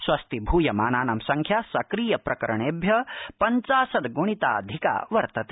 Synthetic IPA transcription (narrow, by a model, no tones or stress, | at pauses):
swɐst̪ibʱuːjɐmaːnaːnɐmsɐŋkʰjasɐkɾiːjɐpɾɐkɐɾɐɳ̃eːbʱjɐpɐɲt͡ʃaːsɐd̪ɡuɽ̃it̪a̰ːɐd̪ʱika̰ːʋɐɾt̪ɐt̪e̥